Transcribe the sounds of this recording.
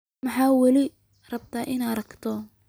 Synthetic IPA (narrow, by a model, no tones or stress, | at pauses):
mɐħɑːwɐlɪ | rɐb̚t̪ʰaːʔɪnaːɾɐkt̪ʰɔ